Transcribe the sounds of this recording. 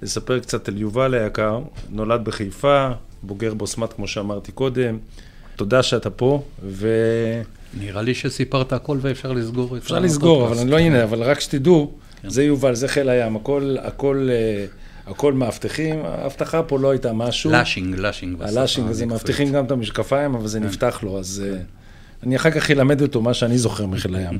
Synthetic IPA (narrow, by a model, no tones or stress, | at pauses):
lesapeʁkt͡sat̪aljuvalejakaʁno̞lad̪̚beχejfa | bo̞ɡe̞ʁbosmat̪kmo̞ʃeamaʁt̪iko̞d̪e̞m | t̪o̞d̪aʃeat̪apo̞ve | niʁaliʃesipaʁt̪aːko̞lvefʃaʁlisɡoʁefʃaʁlisɡo̞ʁavalaniloineavalʁakʃe̥t̪idu | zejuvalzeχelajamako̞la̰ko̞le | ako̞lmeaft̪eχima̰a̰ft̪aχapo̞lo̞ajt̪amaʃulʃiŋɡlaʃiŋɡalaʃiŋɡazemaaft̪iχimɡamt̪amiʃkafaimavalze̞nift̪aχlo̞aze | aniaχaʁkaχjelame̞d̪ot̪omaʃeanizo̞χe̞ʁmiχelajam